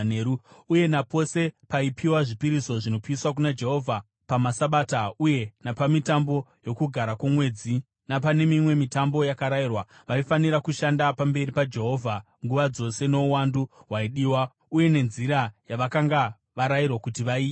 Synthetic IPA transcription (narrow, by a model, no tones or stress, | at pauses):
neɾuuje̞napo̞se̞paipʰiwaʐipiɾisoʐino̞piiswak̬unad͡ʒe̞ɦo̞vʱa | pamasaɓaːtauje̞napamitambo̞jo̞kuɡʱaɾakomwe̞d͡zi | napane̞mimwe̞mitambo̞jakaɾajirwaʋaifaniɾakuʃandapambe̞ɾipad͡ʒe̞ɦo̞vʱa | ŋɡuʋad͡zo̞se̞no̞uwanduɦwaiɗiːwa | uje̞ne̞nziɾajaʋakaŋɡa | ʋaɾajirwakutiʋaiː